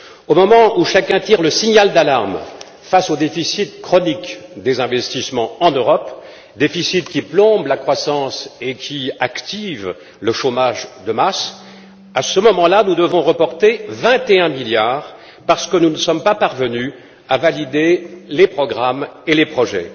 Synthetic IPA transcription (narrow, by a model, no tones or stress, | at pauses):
omɔmɑ̃ʔuʃakʲɛ̃t̪iʁləsiɲald̪alaʁm | fasod̪efisit̪kχɔnikd̪ezɛ̃vɛst̪ismɑ̃ɑ̃nøʁɔp | d̪efisit̪kʲiplɔ̃blakχwasɑ̃sekʲʰiakt̪iv | ləʃomaʒd̪əmas | asəmɔmɑ̃lanud̪əvɔ̃ʁəpɔʁt̪evɛ̃t̪eɛ̃miljaːʁ | paʁsə̥kənunəsɔmpapaʁvəny | avalid̪elepχɔɡʁamelepχɔʒɛ̰